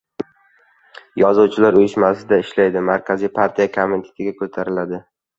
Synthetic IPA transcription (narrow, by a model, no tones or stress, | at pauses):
jɒzuwt͡ʃʰɪlaɾʊjɪʃmasɪd̪aɪʃlajd̪ɪmaɾkʲʰazijpʰaɾt̪ʰijakʰoment̪ʰe̥t̪ʰɪɡʲakʰɵt̪ʰaɾɪlad̪ɪ